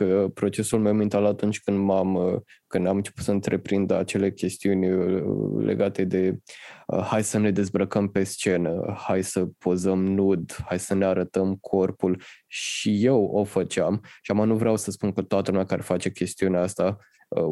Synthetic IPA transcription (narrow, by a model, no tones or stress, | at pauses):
kəpɾo̞t͡ʃe̞sulmewmint̪alat̪unt͡ʃʲkɨnd̪mamkɨnd̪amɨnt͡ʃe̞̥put̪səɨnt̪ɾe̞pɾind̪əa̰t͡ʃe̞le̞kʲe̞st̪iunʲ | lḛɡat̪e̞d̪e̞ə̰hajsəne̞d̪e̞zbɾəkəmpe̞st͡ʃe̞nə̰hajsəpʰo̞zəmnud̪hajsəneaɾət̪əmkʰo̞rpulʃije̞wo̞fət͡ʃeamʃiamanuvɾeawsəspunkət̪oat̪əlumeakaɾefat͡ʃe̞kʲe̞st̪iuneaast̪a | ə